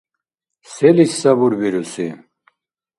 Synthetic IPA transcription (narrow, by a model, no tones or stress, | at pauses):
sɛlissabuɾbiɾusi